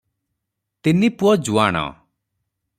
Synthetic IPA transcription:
t̪inipuɔd͡ʒuaɽ̃ɔ̰

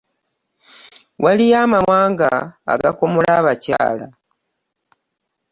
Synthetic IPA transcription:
walijamawaːŋɡa̰ːɡakomolaːβaca̰ːla

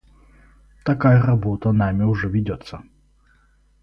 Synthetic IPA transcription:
t̪akajɐrabɔt̪ɐnamʲɪʊʐɛvʲɪdʲɔt̪sːə

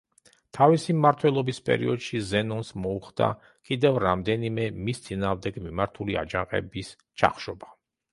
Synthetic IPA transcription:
t̪ʰavisimːaɾt̪ʰwɛlˠɔbispʼɛ̰ɾḭɔd̪̥ʃizɛnɔnsmɔuχd̪a̰ | kʼid̪ɛvɾamd̪ɛnimɛmist̪sʼinaːʁvmd̪ɛɡmimaɾt̪ʰulia̰d͡ʒãqʼɛ̰bis | t͡ʃʰa̰χʃɔba

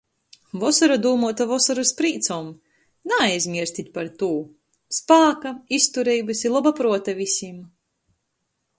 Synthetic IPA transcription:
vɔsɔɾad̪uːmuɔt̪avɔsɔɾuspɾiːt̪sɔːm | naajzʲmʲiɛɾst̪ʲit̪ʲpaɾt̪uː | spaːkaist̪uɾɛjbɨsilˠɔbapɾuɔt̪avʲisʲim

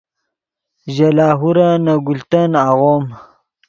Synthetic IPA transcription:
ʒalaːɦuɾanaɡult̪anaɣom

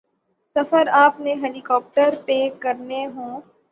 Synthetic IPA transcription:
sɐfəɾaːpneɦɛːlikɔːp̚ʈəɾpeːkɐɾneɦõː

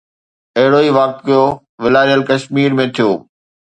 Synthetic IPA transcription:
ɐɦɪɽoiːʋaːk̚t̪kijo | ʋɪlaːɾijəlkɐʃmiːɾmẽt̪ʰijoː

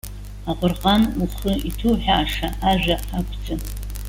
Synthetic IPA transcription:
aqʷʼʊrqʼanuχɨitʰuħaːʂaʔaʒʷᶣaakʷʰʼd͡zɨ

